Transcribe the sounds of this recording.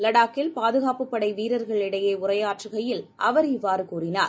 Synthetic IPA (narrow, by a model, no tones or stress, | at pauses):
lɐɽaːkːɪlpaːðɯɣaːpɯpːɐɽɐɪʋiːɾɐɾɣɐɭɪɽɐjeːʊrɐjaːʈrɯɣɐjɪlʔɐʋɐɾɪʋːaːɾɯkuːrɪnaːɾ